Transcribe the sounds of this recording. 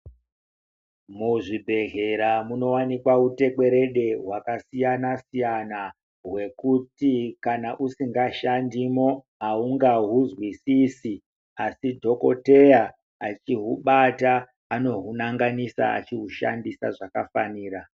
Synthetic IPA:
muʐibʱe̞ɣe̞ɾamuno̞wanikwaute̞ke̞ɾe̞ɗe̞ɦwakasijanasijana | ɦwe̞kutikanaʔusiŋɡaʃandimo̞ | auŋɡaɦuzwisisi | asidʱo̞ko̞̰te̞ja | at͡ʃiɦuɓataː | no̞ɦunaŋɡanisa̰a̰t͡ʃiɦuʃa̰ndisaʐakafaniːra

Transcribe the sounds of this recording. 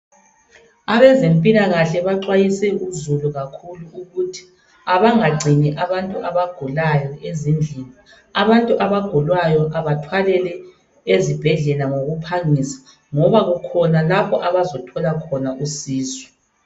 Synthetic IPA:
aβɛzempʼilaɣaɬɛβaǀwajisɛuzuluɣakʰuluuɣutʰi̥ | aβaŋaɡ͡ǀʱiniʔaβantʼuʔaβaɡ̥ʱulajɔezind͡ɮʱini | aβantʼuʔaβaɡ̥ʱulwajɔʔaβatʰwalɛlɛ | ezib̥ʱɛɮɛlaŋoɣupʰaŋisḁ | ŋɔβaɣukʰɔnalapʰɔʔaβazɔtʰɔlakʰɔnaʔusiːsɔ̥

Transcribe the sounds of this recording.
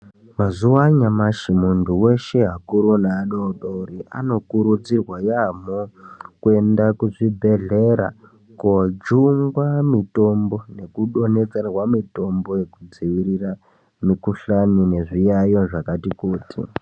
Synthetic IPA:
mazuwaɲamaʃimunduwe̞ʃe̞ɦakuɾonaːnoɗoɾia̰no̞kuɾud͡zirwajamokue̞ndakuʐibʱe̞ɮe̞ɾa̰ | kod͡ʒuŋɡwamito̞mbo̞ne̞kuɗo̞ne̞t͡serwamito̞mbo̞je̞kud͡ziʋiɾira | mikuɬanine̞ʐijajo̞ʐakatikuːtḭ

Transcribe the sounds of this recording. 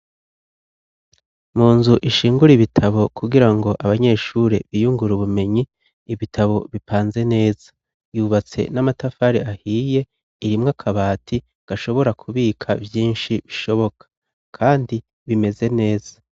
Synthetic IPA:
muːnzuʔiʃiːŋɡuɾiβitʰaβo̞kʰuɡiɾaŋɡo̞ʔaβaɲe̞ʃuɾe̞̰βijuŋɡuɾuβume̞ɲiː | βitʰaβo̞βipʰaːnze̞ne̞ːz̥ḁ | juβat͡se̞̰namatafaɾeahiːje̞ | iɾimŋakʰaβaːtʰi | ɡ̥aʃo̞βo̞ɾakʰuβiːkʰavjiːnʃiβiʃo̞βo̞kḁ | kʰaːndi | βime̞ze̞ne̞ːz̥ḁ

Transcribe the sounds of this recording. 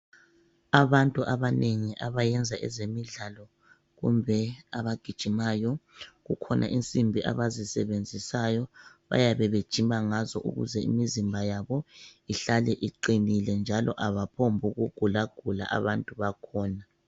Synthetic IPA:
aβantʼuʔaβanʔeŋiʔaβajɛnd͡zʱaʔɛ̰zemiɮalɔ | ɣṵmbʱɛaβaɡ̥ʱid̥ʒ̥ʱimaːjɔɣukʰɔnʔa̰ʔint͡sʼimbʱiʔa̰βazisɛβend͡zʱisajɔβa̰jaβɛβed̥ʒ̥ʱimʱaŋazɔʔṵɣṵzɛḭmizimbʱajaβɔiɬalɛʔiǃinilɛnd͡ʒʱalɔʔaβapʰombʱuɣuɡ̥ʱulaɡ̥ʱula̰ʔa̰βantʼuβakʰɔːna

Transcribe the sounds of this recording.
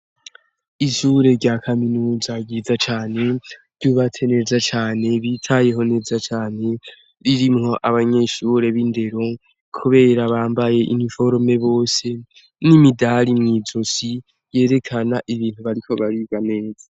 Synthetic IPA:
iʃuɾe̞ɾɟaːkʰaminuːzaɟizat͡ʃaːne̞ɾɟuβat͡sʰene̞ːzat͡ʃaːne̞βitʰaje̞ɦo̞ne̞ːzat͡ʃaːne̞ | ɾiɾimŋo̞ʔaβaɲe̞ʃuɾe̞βinde̞ɾo̞ | kʰuβe̞ːɾaβaːmbaje̞ʔḭnifo̞ɾme̞βo̞ːse̞ | nimidaɾimŋiːzosi | je̞ːɾe̞kʰanaʔiβiːn̥huβaɾikʰo̞βaɾiɡane̞ːza

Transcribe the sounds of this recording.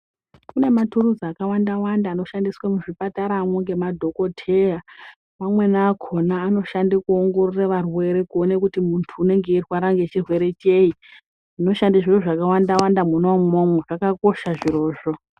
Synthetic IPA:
kune̞maturud͡zakawandawandaːno̞ʃandiswamuʐipataɾamwoŋɡe̞madʱo̞ko̞tʰe̞ra | mamwe̞naːkʰo̞naːno̞ʃandikuo̞ŋɡo̞roraʋarwe̞ɾe̞kuo̞nekutimuntʰuːne̞ŋɡe̞irwaɾaŋɡet͡ʃirwe̞ɾe̞t͡ʃe̞i | ʐino̞ʃandiʐiroʐakawandawandamunomomweʐakako̞ʃaʐiɾo̞ːʐo

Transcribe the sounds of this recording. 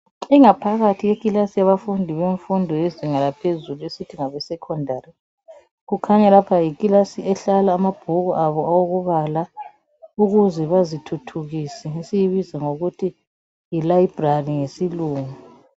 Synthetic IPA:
iŋapʰaɣatʰijekʼilasijaβafundʱiβeɱfundʱɔeziŋalapʰezuluesitʰiŋaβɛsɛkʰɔndʱaːɾi | ɣukʰaɲɛlapʰajikʼilasiɛɬalaːmab̥ʱuɣɔʔaβɔʔawoɣuβala | uɣuzɛβazitʰutʰuɣiːsɛesijiβizɛŋoɣutʰi | jilaib̥ʱrariŋesiluːŋu

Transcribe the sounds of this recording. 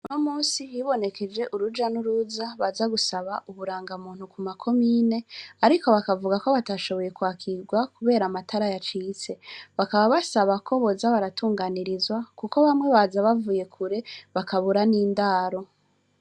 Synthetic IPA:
unomuːnsijiβo̞ne̞kʰe̞d͡ʒe̞ʔuɾud͡ʒanuɾuzaβazaɡusaβaʔuβuɾaːŋɡamuːn̥hukumakʰo̞miːne̞aɾiko̞βakavuɡako̞βataːʃo̞βo̞je̞kwaːkʰiɡwakuβe̞ːɾamatʰaɾajat͡ʃiːt͡se̞βakaβaβasaβako̞βo̞zaβaɾatuːŋɡaniɾizwakuko̞βamwe̞βazaβavuːje̞kʰuɾe̞βakaβuɾaniːndaːɾo̞

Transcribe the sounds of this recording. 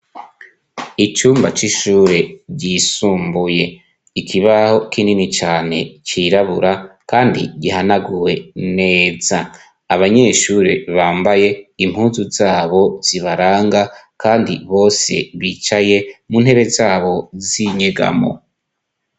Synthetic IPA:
it͡ʃuːmba̰t͡ʃiʃuːɾeɟisuːmbuje̞ | ikʰiβaho̞kininit͡ʃaːne̞̰t͡ʃiɾaβuɾakaːndḭɟihanaɡuwe̞ne̞ːz̥aː | βaɲe̞ʃuːɾeβaːmbaje̞im̥huːzuzaːβo̞z̥iβaɾaːŋɡa | kaːndḭβo̞ːse̞̰βiːt͡ʃaje̞muːn̥he̞ɾe̞zaːβo̞ziɲeɡa̰mo̞̰

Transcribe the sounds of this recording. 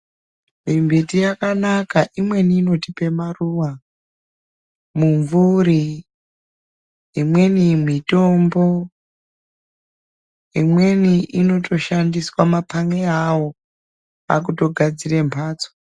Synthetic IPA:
mimbetijakanakaʔimwe̞niːno̞tipe̞maruwa | muɱvuri | imwe̞nimito̞mbo̞ | imwe̞niʔino̞tʰo̞ʃandiswamapʰaŋeawo̞ | a̰k̬uto̞ɡʱad͡zire̞mpʰaːt͡so̥

